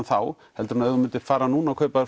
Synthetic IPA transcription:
nθaw | hɛlt̪ʏɾunaœðʏmʏnt̪ɪɾ̥faːɾanuːnawkʰœːɥpaðɪɾ

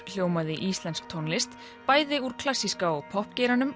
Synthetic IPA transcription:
l̥joːwmaðɪʔist̪lɛnskt̪ʰɔnlɪst̪ | paːjðɪuɾ̥kʰlasːiskaɔɣpʰɔhpcɛɾanʏm

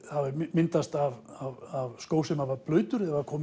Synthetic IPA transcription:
havɪmɪnt̪ast̪avavavskoːwsɛmhavaplœːɥt̪ʏɾɛvakʰɔːm

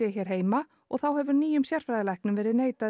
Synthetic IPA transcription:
ɛçɛːɾ̥ɦeːjma | ɔɣθawɦɛvʏɾniːjʏmsjɛr̥fɾajðlajhknʏmvɛːɾɪðneːjt̪a

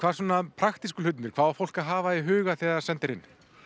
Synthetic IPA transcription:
kʰvaːɾs̬ɔːnapʰɾaxt̪iskʏlʏt̪̬nɪɾkʰvaːafowl̥kaɦaːvaiɦʏːɣaθɛːɣaɾsɛnt̪ɪɾɪnː

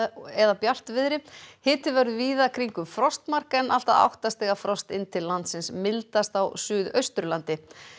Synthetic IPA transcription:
ɛðapjal̥t̪vɪðɾɪhɪːt̪ɪvɛɾðʏviːðakʰɾiŋkʏmfɾɔst̪mar̥kɛnːʔa̰l̥t̪aða̰wht̪ast̪ɛːɣafɾɔst̪ɪ̰nt̪ʰɪllːant̪sɪnsmɪlt̪ast̪awsʏːðœ̰ɥst̪ɾʏlant̪ɪ

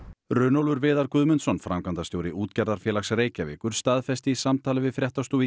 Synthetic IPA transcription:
rʏːnowlvʏɾvɪːðaɾkʏðmʏnsɔnfɾamkant̪ast̪jowɾɪuːt̪cɛɾðaɾ̥fjɛːlaksreːjcavɪ̰ːkʏɾ̥st̪aːðfɛst̪ɪisamt̪ʰaːlɪvɪðfɾjɛht̪ast̪ui

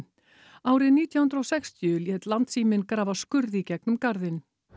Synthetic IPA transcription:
aːwɾɪðniːt̪jahʏnɾowsɛxst̪ʰjʏljɛːt̪lant̪siːmɪnkɾaːvaskʏɾðicɛknʏmkaɾðɪn

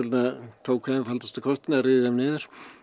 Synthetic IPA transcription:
ɾnat̪ʰoːwkʰvɛðɪnfalt̪ast̪akʰɔst̪ɪnaɾɪðɪðɛmnɪːðʏɾ̥

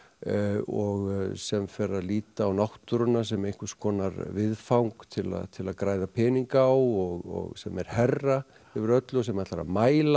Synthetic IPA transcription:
ɔɣsɛmfɛːɾaliːt̪aːwnawht̪ʏɾʏnːas̬ɛmejŋ̥kʏskɔːnaɾvɪðfawŋkt̪ʰɪla̰ðt̪ʰɪlaðkɾaːjðapʰɛːniŋkawɔɣɔ̰ɣsɛmɛɾ̥hɛrːa | ɪvɾœt̪lʏsɛmɛat̪laɾa̰maːjla

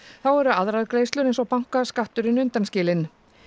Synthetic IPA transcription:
θawɛɾʏaðɾaðkɾeːjst̪lʏɾejnsɔwpawŋ̥kaskaht̪ʏɾɪnʏnt̪anscɪːlɪn

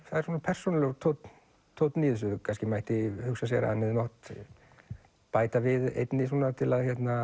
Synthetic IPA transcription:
θaðɛɾ̥suːnapʰɛr̥sɔnlt̪ʰowt̪ | t̪ʰːowt̪niːðʏs̬ʏkʰanscɪmajht̪ɪhʏksasjɛ̰ɾa̰anːɪðnɔht̪ | paːjt̪avɪðḛjt̪nɪs̬uːnat̪ʰɪlaðçjɛt̪na

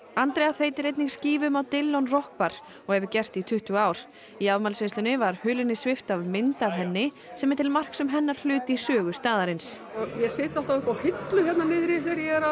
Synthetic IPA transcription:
ant̪ɾejaθejt̪ɪɾejt̪niŋksciːvmawt̪ɪlːownrɔhk̚paɾ̥ | ɔɣhɛvʏcɛr̥t̪it̪ʰʏht̪uaːwɾ̥ | iavmalsveslʏnɪvaɾ̥hʏːlʏnːɪsvɪft̪avmɪnt̪avɦɛnːɪ | sɛmɛɾt̪ʰɪlmar̥ksʏmɦɛnːaɾ̥l̥ʏːt̪ɪisœːɣʏst̪aːðaɾɪnsɔɣjɛsɪːht̪al̥t̪awɪhkahɪt̪lʏçɛt̪nanɪðɾiθɪɾjɛɛɾa

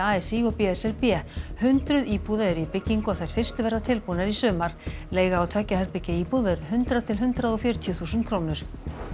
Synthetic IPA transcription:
aːɛsiɔpɛɛsɛɾpjɛhʏnt̪ɾʏðiːpuðaɛɾipɪcːiŋkʏaθajɾ̥fɪr̥st̪ʏvɛɾðat̪ʰɪlpunɛɾisʏːmaɾ̥leːjɣaːwt̪ʰaːcahɛɾ̥pɪcːaiːpuðvɛɾðɦʏnt̪ɾat̪ʰɪlɦʏnt̪ɾaðɔfjœɾt̪ʰiʏθuːsʏnt̪kʰɾoːwnʏɾ̥

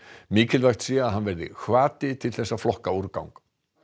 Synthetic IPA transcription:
miːcɪlvajxt̪siaðɦanvɛɾðɪ̰xvaːt̪ɪt̪ʰɪlθɛsːaflɔhkauɾka̰wŋk

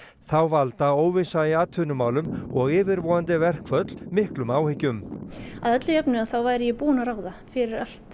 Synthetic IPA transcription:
θawvalt̪aoːwvɪsajɪat̪ʰʏːnʏmaːwlʏmɔɣɪːvɪɾvɔːant̪ɪvɛr̥kʰvœt̪l̥mɪhklʏmaːwhɪcːʏmaðɛt̪lɪjœpnʏaðθawvaːjɾɪjɛpuːnaɾaːwðafɪɾɪɾal̥t̪

